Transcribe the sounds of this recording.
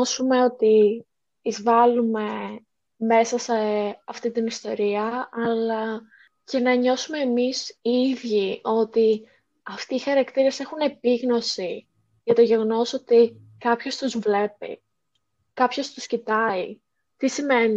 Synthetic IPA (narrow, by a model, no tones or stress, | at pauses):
osume̞o̞t̪iː | zvɐlume̞ | me̞sɐseɐft̪it̪inist̪o̞̰ɾiɐɐlɐ | ce̞nɐɲo̞sume̞ːmisiðʝio̞t̪i | ɐft̪iːxɐɾɐkt̪iɾɐse̞xune̞piɣno̞si | ʝɐt̪oʝe̞ɣo̞no̞so̞t̪i | kɐpço̞st̪uzvle̞pḭ | kɐpço̞st̪uscit̪ɐi | t̪isime̞ni